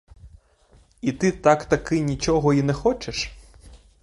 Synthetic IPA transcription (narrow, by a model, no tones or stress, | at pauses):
it̪ɪt̪akt̪ɐkɪnʲit͡ʃɔɦɔinɛxɔt͡ʃeʃ